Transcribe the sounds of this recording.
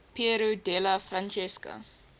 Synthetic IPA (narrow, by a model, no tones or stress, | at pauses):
piəɾudɛlɐfrant͡ʃɛsko̰